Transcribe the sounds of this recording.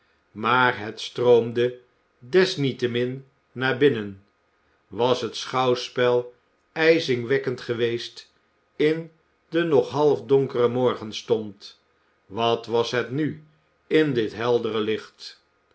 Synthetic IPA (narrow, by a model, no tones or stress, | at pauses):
maːɹɦətstrowmdə | dɛsnitəmɪnː | aːɹbɪnən | ʋɑsɦətsχɑwspɛlˠ | ɛjzɪŋʋɛkəntχəʋejst | ɪn | dənɔχɦɑlˠfdɔŋkərəmɔɹχənstɔnt | ʋɑtʋɑsɦətny | ɪndɪtɦɛlˠdərəlɪχt